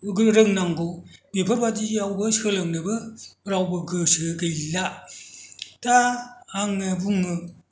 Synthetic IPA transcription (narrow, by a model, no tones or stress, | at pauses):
ɡɾɯŋnaŋɡobepʰabadiawbɯsɯlɯŋnɯbɯɾawbɯɡɯsɯɡɯjla | taːŋnɯbuŋɯ